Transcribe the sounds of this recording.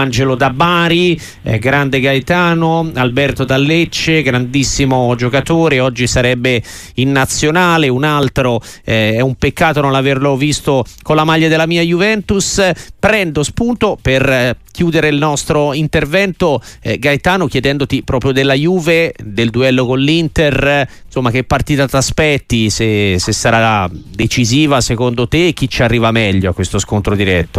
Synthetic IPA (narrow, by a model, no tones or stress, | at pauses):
and͡ʒelod̪abaːɾḭ | ɡɾand̪eɡajt̪aːnoalbɛrt̪od̪alːet͡ʃːeɡɾand̪isːimod͡ʒokat̪oːɾeɔd͡ʒːisaɾɛbːe | inːat̪sːjonaːleunalt̪ɾo | ɛɛumpekːaːt̪ononlaverlovist̪okonlamaʎːad̪elːamiːajuvɛnt̪uspɾɛnd̪ospunt̪operk̟juːd̪eɾeilnɔst̪ɾoint̪ervɛnt̪oɛɡajt̪aːnok̟jed̪ɛnd̪ot̪ipɾɔːpɾjod̪elːajuːved̪eld̪uɛlːokonlint̪er | somːak̟eɛpːart̪iːt̪at̪aspɛt̪ːisesesːaɾad̪et͡ʃiziːvasekond̪ot̪eːk̟ːit͡ʃːarːiːvamɛʎːoakːwest̪oskont̪ɾod̪iɾɛt̪ːo